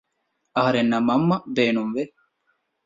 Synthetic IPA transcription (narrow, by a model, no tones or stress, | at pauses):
ɐɦɐɾenːɐmɐmːɐbeːnumʋe